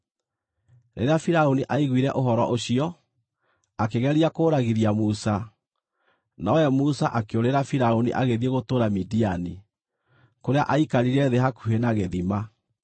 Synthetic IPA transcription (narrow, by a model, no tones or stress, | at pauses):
ɾḛɾeafiɾaoniʔaiɣwiɾɛʔoɦɔɾɔ̰ʔoɕiɔ | akeɣɛɾiakoːɾaɣiɾiamusa | naɔɛmusaʔakeoɾeɾafiɾaonḭʔaɣeðieɣotoːɾamidiani | koɾeaʔaikaɾiɾɛðeɦakuɦenaɣeðima